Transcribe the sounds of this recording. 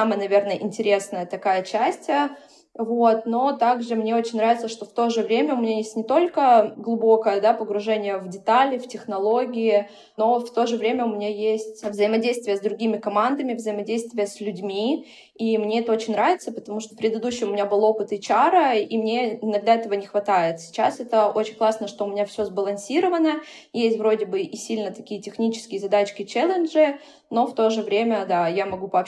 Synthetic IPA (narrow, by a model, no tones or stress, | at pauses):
aməjənɐvʲe̞rnəjəʔɪnʲtʲɪɾʲe̞snəjət̪ɐkajət͡ɕæsʲtʲə | vo̞t̪̚no̞t̪aɡʐɨmnʲe̞o̞t͡ɕɪnʲnɾavʲɪt̪səʂt̪o̞ft̪o̞ʐɨvɾʲemʲəʊmʲɪnʲajesʲtʲnʲɪt̪o̞lʲkəɡlˠʊbo̞kəjəd̪apəɡɾʊʐɛnʲɪjəvdʲɪt̪alʲɪftʲɪxnɐlˠo̞ɡʲɪɪ | no̞ft̪o̞ʐɨvɾʲemʲəʊmʲɪnʲajesʲtʲvzəɪmɐdʲejst̪vʲɪjəzd̪ɾʊɡʲimʲɪkɐmand̪əmʲɪvzəjɪmɐdʲejst̪vʲɪjəsʲlʲʉdʲmʲi | imnʲeɛt̪əo̞t͡ɕɪnʲnɾavʲɪt̪səpət̪ɐmuʂt̪opɾʲɪd̪ɨd̪uɕːɪjəʊmʲɪnʲabɨlˠo̞pɨt̪ɨt͡ɕaɾəimnʲe̞ɪnɐɡd̪aɛt̪əvənʲɪxvɐt̪ajɪt̪sʲɪ̥t͡ɕasɛt̪əot͡ɕɪnʲklˠasnəʂt̪oʊmʲɪnʲafsʲozbəlˠɐnsʲiɾəvənə | jesʲtʲvɾo̞dʲɪbɨʔisʲilʲnət̪ɐkʲijətʲɪxnʲit͡ɕɪ̥skʲɪjzɐd̪at͡ɕkʲɪt͡ɕɛlʲˠɪnʐɨ | no̞ft̪o̞ʐɨvɾʲemʲəd̪ajamɐɡupəː